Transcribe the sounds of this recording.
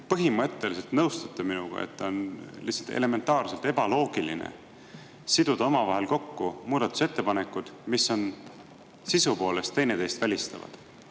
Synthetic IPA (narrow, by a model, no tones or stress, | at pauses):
pɤɦimɤt̪ˑːe̞lise̞lt̪nɤwst̪ut̪ːeminuɡ̥ɑ̰ḛt̪ːɑonlihsːɑlt̪e̞̰le̞me̞nt̪ːˑɑːrse̞lt̪ebɑlo̞ːɡ̥ilḭnḛ | sid̪̥ud̪ɑomɑvɑɦelko̞kːumuːd̪̥ɑt̪ːˑu̥se̞t̪ːepɑne̞kːˑud̪̥misːo̞n | sisupo̞ːle̞st̪ːe̞jne̞t̪e̞ːst̪vælʲist̪ɑvɑ̰d̪̥